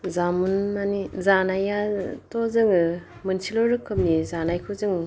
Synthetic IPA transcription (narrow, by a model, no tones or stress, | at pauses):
zamunmanizanajatozɯŋɯ | mɯnsilɔɾɯkʰɯp̚nizanajkʰɯzɯŋ